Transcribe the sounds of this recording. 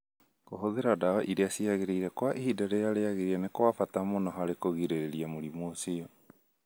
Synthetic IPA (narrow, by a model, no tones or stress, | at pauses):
koɦoðeɾadaɔʔiɾeasiaɣeɾeiɾɛkwaʔihidaɾejaɾeaɣeɾianekwafatamonɔɦaɾekoɣiɾeɾeɾiamoɾimoːsiɔ